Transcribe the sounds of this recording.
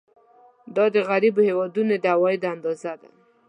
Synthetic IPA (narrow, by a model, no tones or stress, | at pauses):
d̪ɑd̪əɣaɾibohewɑd̪unod̪əawɑed̪əand̪ɑzad̪a̰